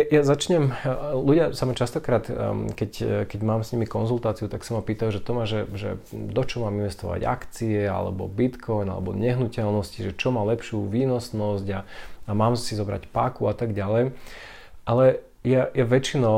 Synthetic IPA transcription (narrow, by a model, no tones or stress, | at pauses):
jazat͡ʃɲɛmluɟɪasamat͡ʃast̪ɔkɾaːt̪kɛckɛɟmaːmsɲimikɔnzult̪aːt͡siut̪aksamapiːt̪ajuʒɛt̪ɔmaʒɛʒɛ̰d̪ɔt͡ʃɔmaːminʋɛst̪ɔ̰ʋa̰ɟa̰kt͡siɛa̰lɛ̰bɔ̰bit̪kʰɔjna̰lɛ̰bɔ̰ɲɛɦnucɛlnɔsciʒɛt͡ʃɔmaːlɛpʃuʋiːnɔsnɔzɟaamaːmsizɔbɾa̰cpakuat̪aɡɟalɛj | ʔalɛ | jajaʋɛt͡ʃinɔ